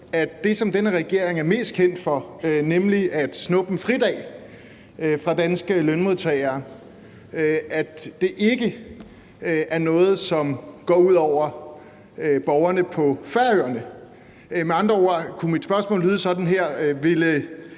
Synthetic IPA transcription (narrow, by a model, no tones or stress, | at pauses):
æd̥d̥e̝sɒ̽md̥enəʁɛɡ̥e̝ɐ̰e̝ŋæɐme̝̰ːsd̥̚kʰen̰d̥fɒ̽ønemliʔæd̥snɔ̽b̥m̩fʁid̥ɛ̰ː | fʁɑ̈d̥ænsɡ̥əlønmo̝ðˠt͡sʰɛːɪɐː | æd̥d̥e̝ʔe̝ɡ̥ə | ʔæɐnɔ̽ːð̞̩ˠsɒ̽mɡ̥ɒ̰ːuð̞̰ˠɒʊ̰ɐ | øb̥ɒʊɐnəpʰɒ̽fæɐøɐnə | meɑ̈nd̥ʁɐokʰumid̥sb̥ɶɐsmɔ̰̽ːlyðˠsɒ̽d̥n̩ɦeɐ̰ʋe̝lə